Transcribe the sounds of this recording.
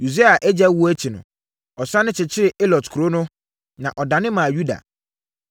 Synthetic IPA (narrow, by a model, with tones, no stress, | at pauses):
ju˨se˦a˨ʔɛ˦d͡ʑɛ˦wu˦æ˦t͡ɕʰi˨nʊ̰̃˨ | ɔ˨sã˦nʊ̃˦t͡ɕʰɪ˨t͡ɕʰɪ˦ɾɪ˨e˦lɔ˨tkʰu˨ɾo˦nʊ̃˦ | nã˨ʔɔ˨da˨nɪ̃˦mã˨ju˦da̰˨